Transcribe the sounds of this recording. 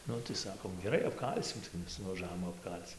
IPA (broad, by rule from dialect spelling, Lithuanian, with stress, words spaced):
ˈnʊ tɐɪ ˈsɑːkoːm ɡʲɛˈrɐɪ ɐpˈkɐlʲsʲɪm tɐɪ ˈmʲɛs nʊʋɐˈʒɑːʋoːm ɐpˈkɐlʲt͡s